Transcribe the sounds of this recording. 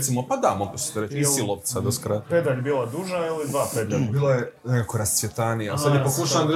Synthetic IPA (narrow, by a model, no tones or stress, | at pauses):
t̪simopad̪amokose̥t̪oɾet͡ʃisilˠoʋt̪sad̪askɾaped̪aʎbiːlˠad̪uʒailid̪ʋaːped̪ʎaʎbiːlˠajenekako̞ɾast̪sjet̪anijasad̪jepokuʃaa